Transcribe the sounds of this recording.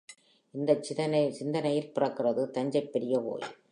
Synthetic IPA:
ʔɪnd̪ɐt͡ʃːɪðɐnɐsɪnd̪ɐnɐjɪlpɪrɐkːɪrɐðɯt̪ɐɲd͡ʒɐɪpːɛɾɪjɐpo̰ːj

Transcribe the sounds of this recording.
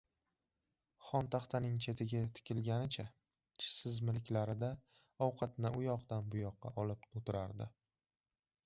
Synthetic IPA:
χɒnt̪ʰaχt̪ʰanɪŋt͡ʃʰe̞t̪ʰɪɡʲat̪ʰɪ̥kʲʰɪlɡʲanɪt͡ʃʰa | t͡ʃʰɪ̥sɪzmɪlkʲlaɾɪd̪a | ɒwqʰɑt̪nɪʔʊjɒqd̪anbʊjɒqːɑ̰ʔɒlɪp̚ot̪ɪɾaɾd̪ɪ

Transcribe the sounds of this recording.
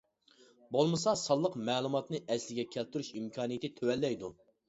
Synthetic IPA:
bolˠmɨsɑsɑlˠːəqmɛːlˠumɑt̪nɨʔɛslɪɡʲɛkʲʰælt̪ʰyɾyʃimkʰɑːnijit̪ɪt̪ʰøwɛlːɛjd̪u

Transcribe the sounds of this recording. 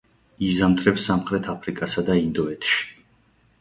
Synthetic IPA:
izant̪ʰɾɛpsamχɾɛt̪ʰapʰɾikʼasad̪aind̪ɔɛt̪ʰʃi̥

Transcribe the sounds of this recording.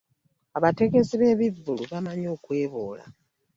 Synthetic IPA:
aβate̞ɡe̞ziβe̞βivːuluβamaɲo̞ːkwe̞ːβoːla̰

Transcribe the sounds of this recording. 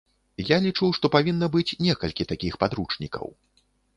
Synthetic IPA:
jalʲit͡ʂuwʂt̪ɔpavʲinːɐbɨt͡sʲnʲɛkɐlʲkʲit̪akʲixpad̪ɾut͡ʂnʲikɐ̰w

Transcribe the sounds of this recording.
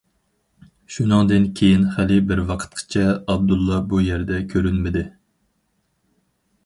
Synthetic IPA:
ʃunɨŋd̪ɨnkʲʰejinχælɪbɪɾwɑqʰə̥t̪̚qʰə̥t͡ʃʰɛɑb̚d̪ulˠːɑbujɛɾd̪ɛkʲʰøɾynmɪd̪ɪ

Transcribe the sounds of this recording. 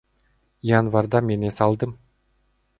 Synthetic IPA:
janvɑrd̪ɑmenesɑlˠd̪əm

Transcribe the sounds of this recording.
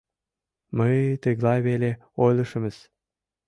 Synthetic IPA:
məjt̪ə̆ɣlɑjβele | ojlˠɤ̆ʃə̆mə̆z

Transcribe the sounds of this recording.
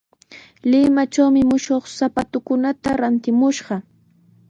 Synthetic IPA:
lɪmat͡ʃawmɪmʊʃoχsapat̪ʊkʊnat̪aɾant̪ɪmʊʃɢɑ

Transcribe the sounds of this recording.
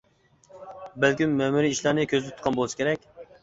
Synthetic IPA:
bælkʲymːæmuɾiiʃlˠɑɾnɨkʲʰøzɪt̪ʰʊt̪̚qʰɑnbolˠɨsɨ̥kʲʰeɾɛk̚ʲ

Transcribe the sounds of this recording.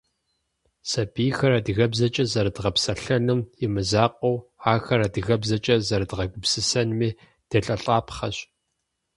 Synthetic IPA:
sɐbiːxɐɾɐdɨɣɐbzɐt͡ʃʼɐzɐɾɨdʁɐpsɐɬɐnɨmjɪmɨzaːqʷowaːxɐɾɐdɨɣɐbzɐt͡ʃʼɐzɐɾɨdʁɐɡʷʊpsɨsɐnmiː | d̥ɐɬʼɐɬʼaːpχɐɕ

